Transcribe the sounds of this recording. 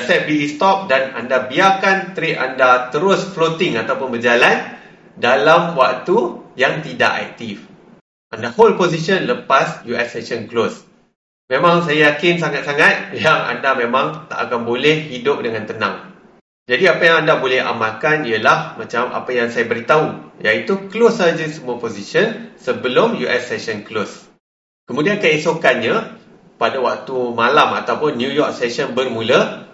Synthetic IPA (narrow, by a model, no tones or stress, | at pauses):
əsɛt̚biist̪ɔp̚dana̰ndabiakant̪əɾiʔʔandat̪əɾʊsflot̪ɪŋat̪awpʊnbəd͡ʒalan | dalamwak̚t̪ujaŋt̪ida̰ʔa̰k̚t̪if | ʔandaholposiʃənləpasjuɛsɛʃənklos | mẽmãŋsajajakɪnsaŋat̪̚saŋat̪̚jaŋa̰ndamẽmãŋt̪a̰ʔakanbolɛhːidʊp̚dəŋãnt̪ənã̰ŋ | d͡ʒadiapajãŋandabolɛha̰makaniəlahmãt͡ʃama̰pajaŋsajabəɾit̪aujait̪uklosad͡ʒəsəmuəposiʃənsəbəlʊmjuʔɛsːɛʃənklos | kəmũdiankəesokanɲa | padawak̚t̪umalama̰t̪awpʊnːjujɔk̚sɛʃənbərmũlə